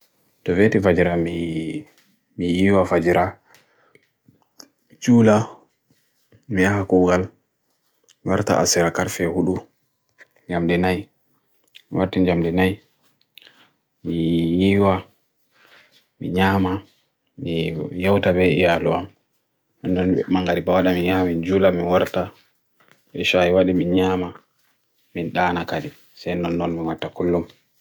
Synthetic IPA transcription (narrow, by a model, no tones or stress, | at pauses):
tɔvetifad͡ʒiɾami | mijiːwafad͡ʒiɾa | t͡ʃuːla | mijaɦakɔɡal | waɾta̰ʔa̰sɛɾakaɾfɛhuɗu | ɲd͡ʒamdinaj | miwaɾtid͡ʒamdinaj | mijiwa | mḭɲaːma | mijawtabɛijaluam | nɔndɔnɛmaŋɡaɾibawaɗaminjamind͡ʒulaminwaɾta | ɓɛʃajiwaɗiminɲaːma | minɗaːnakadi | sajnɔnːɔnmiwatːakulːum